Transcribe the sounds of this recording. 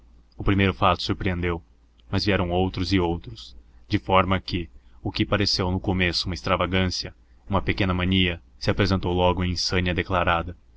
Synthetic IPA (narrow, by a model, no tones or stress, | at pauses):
ʊpɾimejɾʊfat̪ʊ̥suɾpɾiẽnd̪ew | mɐzviɛɾɐ̃w̃owt̪ɾʊzɪowt̪ɾʊsd͡ʒɪfɔɾmɐkɪʊkɪpaɾesewnʊkomesʊ̥ũmɐest̪ɾavaɡɐ̃sijɐ | ũmɐpekẽnɐmɐ̃niɐsɪapɾezẽnt̪owlɔɡʊẽsɐ̃niɐd̪eklaɾad̪ɐ